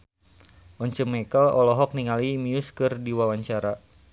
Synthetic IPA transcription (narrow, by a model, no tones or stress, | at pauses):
ʔɔɲt͡ʃəmekəlɔlɔɦɔk̚niŋalimiuskɨrdiwawaɲt͡ʃaɾa